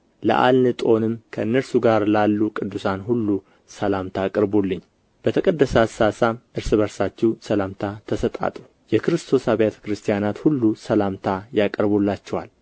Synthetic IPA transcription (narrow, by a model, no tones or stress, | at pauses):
lə̰ʔa̰lnɨt̪ʼo̞nɨmkʰəɨnːəɾsuɡaɾlalːukʼɨd̪ːusanhulːu | səlamt̪ʰakʼəɾbolːɨɲː | b̥ət̪ʰəkʼəd̪ːəsasasamʔɨɾsɨβəɾsat͡ʃːɛwsəlamt̪ʰat̪ʰəsət̪ʼa̰t̪ʼu | jɛkʰɾɨst̪ʰo̞saβet̪ʰə̥kɾɨst̪ʰijanat̪hulːusəlamt̪ʰajakʼəɾbolːat͡ʃːɛwal